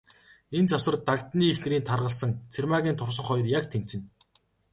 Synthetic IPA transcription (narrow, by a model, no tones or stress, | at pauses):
ent͡sawsə̆rt̪akt̪niːxnĕɾiːnt̪ʰarʁə̆ɮsə̆ŋt͡sʰermaːɣʲiːnt̪ʰʊrs̬ɞ̆ɴχɔjrjakt̪ʰem̥t͡ɕɘ̆n